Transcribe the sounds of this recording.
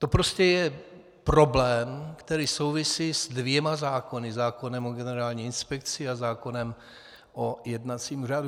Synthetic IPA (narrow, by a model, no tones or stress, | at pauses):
t̪o̞pɾo̞scɛjɛ | pɾoblɛːmkt̪ɛɾiːso̞wvɪsiːzdvjɛmazaːko̞nɪzaːko̞nɛmoɡɛnɛɾaːlɲiːɪnspɛk̚t͡sɪazaːko̞nɛm | ʔojɛdnat͡siːmuraːdu